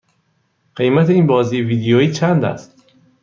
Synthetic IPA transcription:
ɢ̥e̞jmæt̪ʰeiːnbɒːziːjeviːd̪ejoiːt͡ʃʰænd̪æ̰st̪

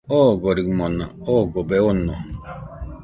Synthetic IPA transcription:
oɡoɾikmona̰oɡobeono

